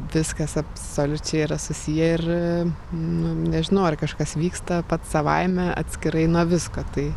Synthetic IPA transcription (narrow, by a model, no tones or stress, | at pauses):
ʋʲɪskɐsɐpsoːlʲʊt͡ʃʲɛɪiːɾɐsʊsʲijɛɪr | nʊnʲɛʒʲɪnɐʊɐrkɐʃkɐsʋʲiːkst̪ɐpɐt̪sɐʋɐ̰ɪmʲɛɐ̰t̪ʲsʲkʲɪɾɐɪnuɔʋʲɪskoːt̪ɐɪ